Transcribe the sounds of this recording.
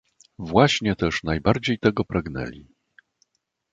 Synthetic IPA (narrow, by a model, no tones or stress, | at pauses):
vwaɕɲɛt̪ɛʂnajbaɾd͡ʑejt̪ɛɡɔpɾaɡnɛ̰lʲi